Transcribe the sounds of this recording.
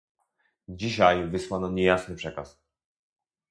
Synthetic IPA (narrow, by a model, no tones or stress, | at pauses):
d͡ʑiɕajvɘswanɔɲɛjasnɘpʂɛkas